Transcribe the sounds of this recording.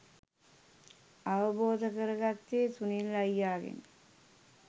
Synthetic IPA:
ɐʋɐboːd̪ʱɐkɐɾɐɡɐt̪ːeːt̪unilɐjːaːɣḭn

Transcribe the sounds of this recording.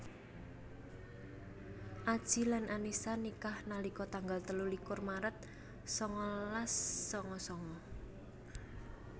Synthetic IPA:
ʔad̥ʒ̥i̤lanʔanisanikahnalikɔt̪aŋɡalt̪əlulikʊrmaɾət̪̚ | sɔŋɔlasːɔŋɔsɔŋɔ

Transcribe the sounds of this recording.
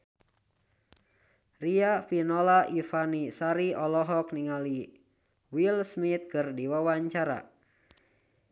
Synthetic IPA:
riafinɔlaʔifanisaɾiɔlɔɦɔk̚niŋali | wilsmit̪̚kɨrdiwawaɲt͡ʃaɾa̰

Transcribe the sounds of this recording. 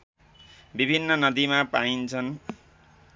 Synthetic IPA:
bibʱinːʌnʌd̪imapaint͡sʰʌn

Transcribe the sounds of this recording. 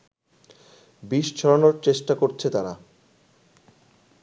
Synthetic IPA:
biʃt͡ɕʰɔɾonoɾt͡ɕeʃʈakoɾt͡ɕʰet̪aɾa

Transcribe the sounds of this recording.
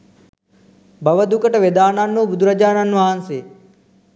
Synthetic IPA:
bʱɐʋəd̪ukəʈʋed̪aːnaːnːuːbʊd̪ɾəd͡ʒaːnanːuaːnseː

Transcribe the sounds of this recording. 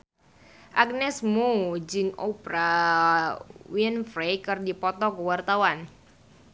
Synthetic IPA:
ʔak̚nɛsmud͡ʒɨŋo̰pɾa | winfɾejkɨrdipɔt̪ɔkəwart̪awan

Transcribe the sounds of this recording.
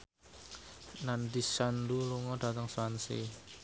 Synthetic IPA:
nandisanduluŋɔɖ̥a̤t̪əŋsuansḛ

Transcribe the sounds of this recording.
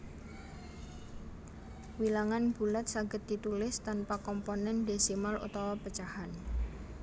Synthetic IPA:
wilaŋanb̥ṳlat̪saɡə̤t̪ːit̪ulɪst̪anpakɔmponɛnd̪esimalṵt̪ɔwɔpət͡ʃahan

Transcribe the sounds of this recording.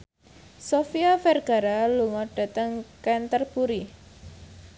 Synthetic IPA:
sofiafɛrɡ̥a̤ɾaluŋɔɖ̥a̤t̪əŋkɛnt̪ərpuɾi

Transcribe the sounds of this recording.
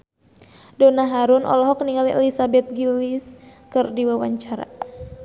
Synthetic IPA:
dɔnaɦaɾunʔɔ̰lɔɦɔkniŋaliʔɛlisabɛt̪̚ɡiliskɨrdiwawaɲt͡ʃaɾa̰

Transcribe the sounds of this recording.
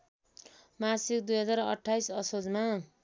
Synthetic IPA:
masikd̪ujɦʌd͡zarʌ̰ʈʰːajsʌsod͡zma

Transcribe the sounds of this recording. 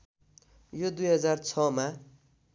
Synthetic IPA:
jod̪ujɦʌd͡zart͡sʰʌma

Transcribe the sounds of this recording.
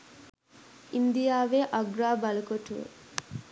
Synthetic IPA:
ʔind̪ijaːʋeːʔɐɡɾaːbɐlɐkoʈuḛ

